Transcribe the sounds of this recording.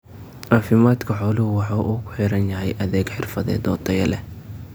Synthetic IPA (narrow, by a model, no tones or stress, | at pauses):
ʔaːfɪmaːd̪kʰɐħɔːlɪhʊwɑħɑːʔuːkʰʊ̥ħɪɾɐnjɐɦɛjʔɐðɛːɡħɪrfɐðɛ̰ːd̪ɔːd̪ʰɐjɐlɛ